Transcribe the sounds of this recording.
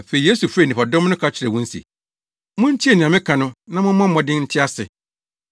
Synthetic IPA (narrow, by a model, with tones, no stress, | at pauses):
fe˨i˨e˦su˨fɾe˦˨nĩ˨pa˨dɔ̃˦m˦nʊ̃˦kʰa˦t͡ɕʰɪ˨ɾɛ˨wʊ̃˦n̩˦sḭ˨ | mʊ̃˦n̩˦tʰi˦e˨nɪ̃˨ã˨mɪ̃˦kʰã˨nʊ̃˦nã˦mʊ̃˦m˦ã˦mɔ̃˨dɪ̃˦n̩˦tʰɪ˦a˦sɪ̰˨